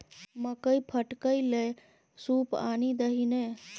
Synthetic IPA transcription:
məkəjpʰəʈkəjle | supa̰nid̪əɦine

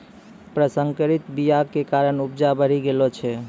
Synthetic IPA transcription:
pɾəsəŋkəɾit̪bijakekaɾənupd͡ʒabəɾ̤iɡelot͡ʃʰɛ

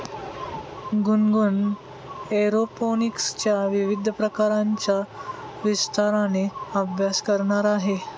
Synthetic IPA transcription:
ɡunɡun | eɾoponikst͡ɕjaʋiʋid̪ʱəpɾəkaɾaɲt͡ɕja | ʋist̪ʰaɾaneəbʱjaskəɾɳaɾaɦe

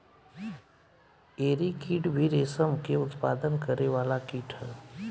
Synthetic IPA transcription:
eːɾikʰiːɖbʱiɾeːsəmkeʊt̪paːd̪ənkəɾeʋaːlakiːʈʰə

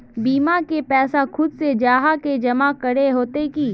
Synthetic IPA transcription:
biːmakepɛːsaxʰʊd̪sed͡ʒaːɦaked͡ʒɐmakɐɽeɦoːt̪ekiː

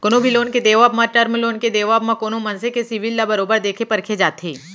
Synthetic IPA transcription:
konobʱiloːnked̪eːʋaːbmaʈəɾmloːnked̪eːʋaːbmãkoːnomɐnsekesiʋilːabɐɾoːbəɾd̪eːkʰepɐɾkʰed͡ʒaːt̪ʰeː

